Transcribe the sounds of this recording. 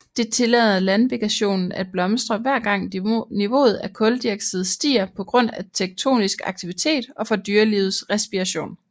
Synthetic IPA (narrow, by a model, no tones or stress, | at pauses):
d̥e̝t͡sʰe̝lɛð̩ˠɐlænʋeɡ̥ʰæɕo̝̰ːnn̩æd̥̚b̥lɒ̽msd̥ʁɐʋæɐ̰ɡ̥ɑ̈ŋ̰niʋo̝̰ːð̞̩ˠækʰɔ̽ld̥iɐɡ̥səð̩ˠsd̥ḭːɐpʰɒ̽ɡ̥ʁɔ̽n̰æt͡sʰeɡ̥̚t͡sʰo̝̰ːnisɡ̥ɑ̈ɡ̥̚t͡sʰiʋit͡sʰe̝̰ːd̥ɒ̽fɒ̽d̥yːɐliːʊð̩ˠsʁɛsb̥iʁæɕo̝̰ːn